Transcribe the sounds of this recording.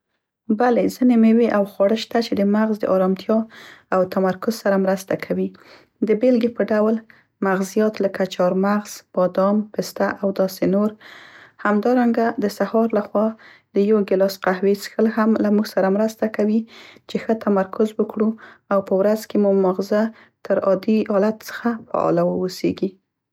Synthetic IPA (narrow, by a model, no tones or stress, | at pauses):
balezənemeweʔawxwɑɽəʃt̪at͡ʃed̪əmaɣzd̪ə̰ʔɑɾɑmt̪ʰjɑawt̪amaɾkʊzsaɾamɾəst̪akʰawi | d̪əbelɡepəɖawl | maɣzijɑt̪ləkat͡ʃɑɾmaɣz̥b̥ɑd̪ɑmpest̪aʔawd̪ɑsenoɾhamd̪ɑɾaŋɡad̪əsahɑɾlaxwɑ | d̪əjawɡɪlɑsqahwesxəlɦamlamuɡsaɾamɾəst̪akawit͡ʃexət̪amaɾkʰʊzwəkɽuawpəwɾazkemumaɣza | t̪əɾɑd̪ihɑlat̪sə̥xafa̰ɑ̰lawəosḛɡi